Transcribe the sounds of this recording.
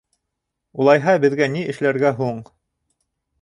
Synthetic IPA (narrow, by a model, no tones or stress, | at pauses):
ulˠɑjɦɑbɘ̆ðɡæniɘ̆ʃlæɾɡæɦuɴ